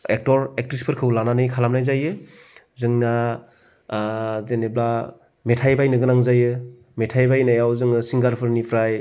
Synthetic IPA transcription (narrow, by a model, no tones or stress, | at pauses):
ek̚tɔɾek̚tɾispʰɯɾkʰɯwlananɯjkʰalamnajzajɯ | zɯŋna | zenebla | metʰajbajnɯɡɯnaŋzajɯ | metʰajbajnajawzɯŋɯsiŋɡaɾpʰɯɾnipʰɾaj